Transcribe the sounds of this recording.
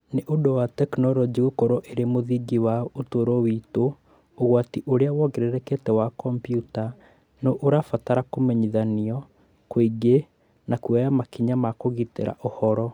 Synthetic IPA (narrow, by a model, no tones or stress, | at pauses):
neʔodowatɛknɔɾɔd͡ʒiɣokoɾoʔeɾemoðiɡiwaotoɾowitoː | ɣwatiʔoɾeawɔɣeɾeɾɛketɛwakɔmpjuta | noʔoɾafataɾakomɛɲiðaniɔ | kwiɡe | nakuɛjamakiɲamakoɣitḛɾa̰ʔohɔɾɔ